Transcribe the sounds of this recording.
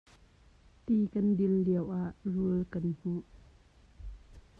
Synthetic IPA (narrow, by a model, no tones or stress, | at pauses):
t̪ikɐndɪlːiəwʔaʔruəlkɐnhuʔ